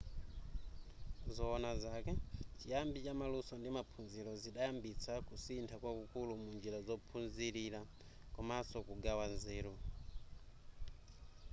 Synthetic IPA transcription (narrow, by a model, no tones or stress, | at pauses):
zɔːnazakɛt͡ʃijambit͡ʃamalusɔndimapʰunziɾɔziɗajambit͡sʰakusintʰakwakukulumund͡ʒiɾazɔpʰunziɾiɾa | kɔmasɔkuɡawanzɛːɾu